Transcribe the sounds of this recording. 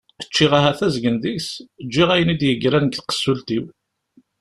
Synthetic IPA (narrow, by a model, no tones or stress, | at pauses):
ət͡ʃːiʁaɦæθæzɡənðisd͡ʒːiʁæjənid̪jəɡɾænəɡθqə̥sːult̪iw